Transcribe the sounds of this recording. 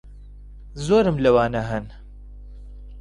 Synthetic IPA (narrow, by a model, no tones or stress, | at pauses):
zoːɾɨmlɐwaːnaɦɨn